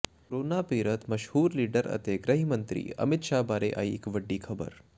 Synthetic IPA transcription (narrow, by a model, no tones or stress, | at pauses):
kɾoːnapiːɾət̪mɐʃhuːɾliːɖəɾɐ̰t̪eɡɾɐɦimənt̪ɾḭːə̰mɪt̪ʃabaːɾeʔa̰jːkʋəɖːiːkʰɐbə̰ɾ